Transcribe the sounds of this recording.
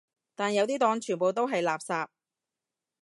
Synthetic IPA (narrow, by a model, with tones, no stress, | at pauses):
t̪aː˨˩njɐ˨˧wt̪iː˥t̪ɔː˧ŋt͡ʃʰyː˨˩npo˨wt̪o˥wɦɐ˨jlaː˨psaː˧p̚